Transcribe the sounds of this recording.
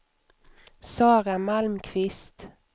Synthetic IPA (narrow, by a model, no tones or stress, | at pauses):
sɑːʁɑmɑlmkʰʋɪst̪